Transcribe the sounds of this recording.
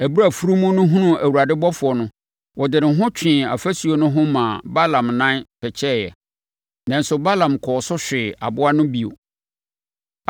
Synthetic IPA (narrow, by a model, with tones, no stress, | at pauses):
æ˨bu˦ɾa˨fu˦ɾu˦mũ˦nʊ̃˦ɦũ˦nũ˦ʔæ˨wu˨ɾa˨dɪ˦bɔ˦fʊ˨ɔ˨nʊ̃˦ | wɔ˨dɪ˨nɪ̃˨ɦʊ̃˦t͡ɕᶣʰɪ̃˨a̰˨fæ˦su˨o˨nʊ̃˦ɦʊ̃˦mãː˨ba˦lã˨mnã˦npʰɛ˨t͡ɕʰɛ˦˨jɛ̰˨ | nã˨n˦sʊ˨ba˦lã˨mkʰɔː˨sʊ˦ɕᶣɪ˨a̰˨bʊ˦a˦nʊ̃˦bi˨o̰˨